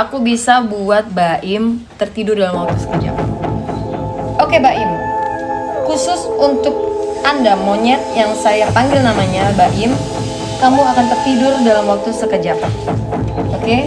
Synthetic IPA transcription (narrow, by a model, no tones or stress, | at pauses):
akubisabuat̪̚baʔɪmt̪ərt̪idʊrdalamwak̚t̪usə̥kəd͡ʒa̰k̚ | ʔokebaʔɪm | kusʊsunt̪ʊk̚ | ʔandamoɲɛt̪̚jaŋsajapaŋɡɪlnamaɲabaʔɪm | kamuakant̪ərt̪idʊrdalamwak̚t̪usəkəd͡ʒak | oke